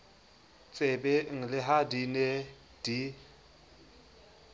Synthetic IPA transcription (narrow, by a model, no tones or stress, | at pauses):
t͡sʼebeŋ̩lɪɦadine | d̥i